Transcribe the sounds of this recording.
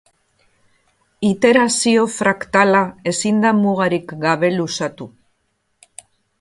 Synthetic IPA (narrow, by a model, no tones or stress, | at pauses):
it̪e̞ɾasio̞fɾakt̪alae̞sind̪amuɣaɾikɡaβ̞e̞lusat̪u